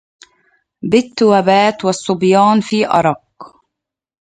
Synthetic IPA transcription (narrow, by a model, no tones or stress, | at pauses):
bɪt̪ːwabaːt̪wɑsˤːʊbjaːnfiːʔɑ̰ɾˤɑq